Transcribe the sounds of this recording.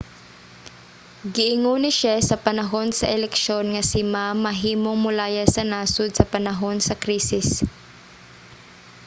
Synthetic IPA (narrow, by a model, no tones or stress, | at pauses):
ɡɪʔɪŋunɪʃasɐpɐnɐɦonsɐʔɛlɛkʃonŋɐsɪmamɐɦiːmoŋmʊlaːjasɐnaːsʊd̪̚sɐpɐnɐɦo̞nsɐkɾiːsɪs